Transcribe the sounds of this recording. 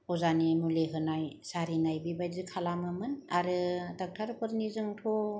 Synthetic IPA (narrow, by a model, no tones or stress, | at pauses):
ɔzanimuleɦɯnajsaɾinajbibajzɯkʰalamɯmɯnaɾɯtak̚tʰaɾpʰɯɾnizɯŋtʰo